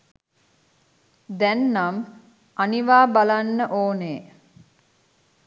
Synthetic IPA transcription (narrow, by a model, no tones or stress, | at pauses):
d̪ɛnːam | aniʋaːbalanːəʔoːneː